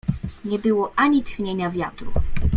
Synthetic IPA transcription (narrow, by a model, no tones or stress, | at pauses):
ɲɛbɘwɔʔaɲit̪xɲeɲavʲjat̪ɾṵ